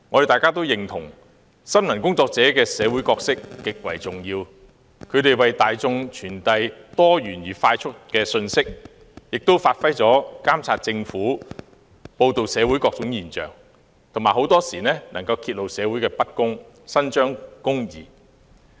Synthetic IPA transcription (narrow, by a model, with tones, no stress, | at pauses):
ŋɔ˨˧de˨t̪aː˨˩kaː˥t̪̬o˥wjɪ˨ŋt̪ʰʊ˨˩ŋ | sɐ˥mmɐ˨˩nkʊ˥ŋt͡sɔː˧k̚t͡sɛː˨˥kɛː˧sɛː˨˧wu˨˥jkɔː˧k̚sɪ˥k̚ːɪ˨k̚wɐ˨˩jt͡sʊ˨˩ŋjiː˧w | kʰɵ˨˧ɥɾe˨jwɐ˨jt̪aː˨jt͡sʊ˧ŋt͡ʃʰyː˨˩nt̪ɐ˧jt̪ɔː˥ɥyː˨˩njiː˨˩faː˧jt͡ʃʰʊ˥t̚kɛː˧sɵ˧nsɪ˥k̚ | jɪ˨k̚t̪o˥wfaː˧t̚fɐ˥jt͡sɔː˨˥kaː˥mt͡sʰaː˧t̚t͡sɪ˧ŋfuː˨˥ | po˧wt̪o˨wsɛː˨˧wu˨˥jkɔː˧k̚t͡sʊ˨˥ŋjiː˨˩nt͡ʃœ̰ː˨˩ŋ | t̪ʰʊ˨˩maː˨˩ho˨˥wt̪ɔː˥siː˨˩nɛː˥nʔɐ˨˩ŋkɐ˧wkʰiː˧t̚lo˨wsɛː˨˧wuː˨˥jkɛː˧pɐ˥t̚kʊ˥ŋ | sɐ˥nt͡ʃœː˥ŋkʊ˥ŋjḭː˨˩